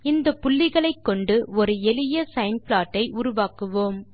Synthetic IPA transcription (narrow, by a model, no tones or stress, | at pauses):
ɪnd̪ɐpːʊlːɪɣɐɭɐɪkːɔɳɖɯɔɾɯɛlɪjɐsɐɪnplaːʈːɐɪʔʊɾʊʋaːkɯʋoːm